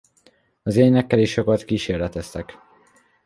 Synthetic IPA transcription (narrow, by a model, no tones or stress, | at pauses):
ɒzeːnɛkːɛliʃokɒt̪kiːʃeːrlɛt̪ɛst̪ɛk